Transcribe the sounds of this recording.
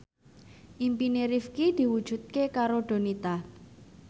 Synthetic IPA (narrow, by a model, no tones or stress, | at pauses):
ʔimpineɾifkid̪̥i̤wud̥ʒ̥ṳt̪̚kekaɾoɖ̥o̤nit̪a